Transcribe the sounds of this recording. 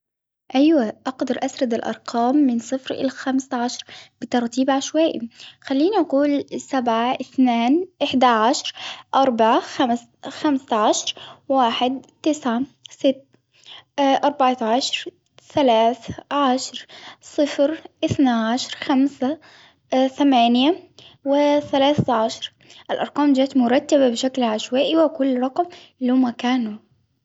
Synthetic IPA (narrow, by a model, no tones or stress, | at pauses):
ʔajwaʔɑqd̪ɑɾˤʔasɾˤɑd̪ɪlʔɑ̰ɾˤqʰɑːmːɪnsˤɨfɾɪ̰lxamsʕaʃɾˤb̥ɪt̪ɑɾˤt̪iːbʕaʃwaːʔḭxalːiːniʔaquːlsabʕaʔɪθnaːnʔɪħd̪aʕaʃɾˤʔɑɾˤbaʕaxams | xamsʕaʃɾˤwaːħɪd̪t̪ɪsʕasɪt̪ː | ʔɑɾˤbaʕt̪aʕʃɾˤ | θalaːθʕaʃɾˤsˤɨfɾʔɪθnaʕaʃɾˤxamsa | θamaːnjawɪθalaːθʕaʃɾˤ | ʔɪlʔɑɾˤqɑːmd͡ʒaːt̪mʊɾˤɑt̪ːababɪʃaklʕaʃwaːʔiwakʊlːɾˤɑqm | lumakaːnu